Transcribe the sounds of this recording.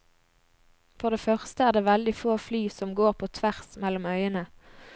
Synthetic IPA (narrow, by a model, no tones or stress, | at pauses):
fɔʁd̪eːfœʁst̪əæːʁd̪eːʋɛld̪ɪfoːflyːsɔmɡoːʁpʰoːt̪ʰʋæʁsmɛlʊmœʏənə